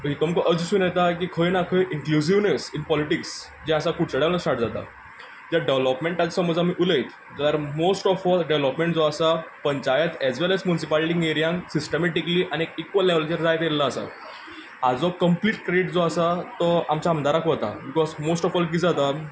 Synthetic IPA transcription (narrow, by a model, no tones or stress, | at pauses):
ɦit̪ɔmkəʔəd͡zsũːnjɛt̪ak̬iːkʰəjnakʰəjʔiŋklus̬iʋnesinpɔliʈiks | d͡ʑẽasakuʈt͡səɽelnəsaʈd͡zat̪a̰ | d͡ʑ̪aɖeʋlɔpmẽɳʈad͡zsəməd͡zamiːʔuləjt̪ | d̪əɾmosʈɔfɔlɖeʋlɔpmẽɳʈd͡zɔasapəɲt͡ɕajət̪ɛzʋelɛzmjunisipalʈiŋɡeɾijãŋsisʈəmeʈikliːʔaniekikʋəlːeʋlt͡ɕəɾd͡zajt̪jellːaːsa̰ | ad͡zɔkəmpliːʈkɾeɖiʈd͡zɔasat̪ɔamt͡ɕaəmd̪aɾakʋɔt̪a̰bikɔzmosʈɔfɔlk̬iːd͡zat̪a